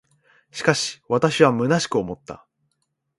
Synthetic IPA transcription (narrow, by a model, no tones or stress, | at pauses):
ɕi̥kaɕi̥βat̪aɕiβamɯ̟naɕi̥kɯ̟o̞mo̞t̪ːa̰